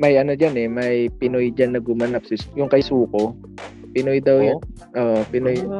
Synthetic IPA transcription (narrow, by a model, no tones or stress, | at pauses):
mɐjʔɐnod͡ʒanɛmɐjpɪnojd͡ʒanːɐɡʊmɐnap̚sɪsjʊŋkɐjsuːko | pɪnojd̪ɐwjʊn | ʔoːʔopɪnoj